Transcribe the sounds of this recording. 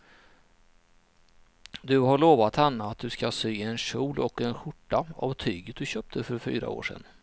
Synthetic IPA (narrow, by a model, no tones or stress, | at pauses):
d̪ɵhaɭoːvat̪hanːaat̪̚d̪ɵskasyːɛnɕuːlʔɔkɛnɧʊʈːaa̰vt̪ʰyːɡət̪̚d̪ɵɕœːp̚t̪ʰəfœɾfy̰ːɾa̰o̰ːʂɛ̰nː